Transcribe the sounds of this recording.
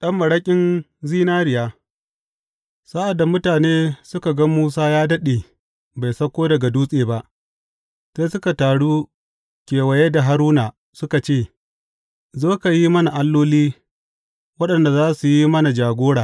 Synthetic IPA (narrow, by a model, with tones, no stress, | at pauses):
ɗɐ˦mːɐ˨ɽɐ˦kʲʼɪ˦n | ziː˦naː˦ɽɪ˨jaː˦ | sa˦ʔa˨dːa˨mʊ˦taː˨neː˦sʊ˦ka˨ɡɐ˦muː˦s̬aː˦jaː˦dɐ˦ɗeː˨ | ba˨jsɐ˦kʷoː˦dɐ˨ɡa˨duː˦sʼeː˨ba˦ʔ | seː˦sʊ˦ka˨taː˨ɽuː˦ | kʲeː˨wɐ˨je˦da˨ɦa˦ɾuː˦na˨ | sʊ˦ka˨t͡ʃeː˦˨ | zoː˦ka˨ji˦mɐ˦na˨ʔa˦lːoː˦liː˦ | wɐ˦ɗɐ˨nda˨zaː˦su˨ji˦mɐ˦na˨d͡ʒaː˨ɡʷoː˦ɽaː˨